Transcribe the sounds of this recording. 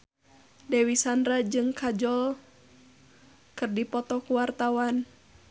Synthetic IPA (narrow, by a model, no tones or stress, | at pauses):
dɛwisandɾad͡ʒɨŋkʰad͡ʒɔl | kɨrdipɔt̪ɔkuwart̪awan